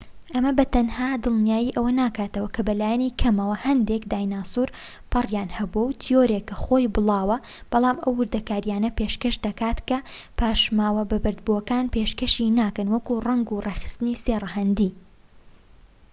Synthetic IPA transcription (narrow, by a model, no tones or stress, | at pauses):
ʔɐmɐbɐt̪ɐnhaːd̪ɨlˠnijaːjiʔɐwɐnaːkaːt̪ɐwɐkɐbɐlaːjɛniːkʰɐmɐwɐhɐnd̪ekd̪aːjnaːsuːɾ | pʰɨrjaːnhɐbuɐwt̪ʰijo̞ɾekːɐxoːjbɨlˠɑːwɐ | b̥ɐlˠɑːmʔɐwːɨɾd̪ɐkaːɾjaːnɐpeʃkɐʃd̪ɐkaːt̪kɐpaːʃmaːwɐbɐbɨɾd̪̚buɐkaːnpeʃkɐʃinaːkɨnwɐkurɐŋɡureːxɨ̥st̪ɨniserɐɦɐnd̪iː